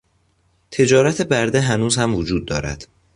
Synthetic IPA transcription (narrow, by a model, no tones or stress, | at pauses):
t̪ʰe̞d͡ʒɒːɾæt̪ʰebæɾd̪eɦænuːzhæmvod͡ʒuːd̪̚ːɒ̰ːɾæ̰d̪̥